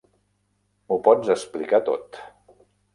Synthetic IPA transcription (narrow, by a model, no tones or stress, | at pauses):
mupɔd͡zəsplikat̪o̰t̪